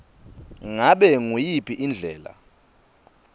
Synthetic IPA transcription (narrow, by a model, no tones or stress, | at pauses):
ŋaɓɛŋujipʰʼiʔind͡ɮʱɛːla̰